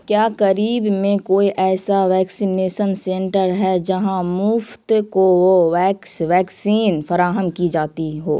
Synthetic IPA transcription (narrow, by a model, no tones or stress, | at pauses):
kjaːkɐɾiːbmẽkoːiʔɛːsaʋɛːksineːʃənsẽɳʈəɾɦɛd͡ʒɐɦãmʊft̪kooʋɛːksʋɛːksiːnfɐɾaːɦəmkid͡ʒaːt̪iɦo̰ː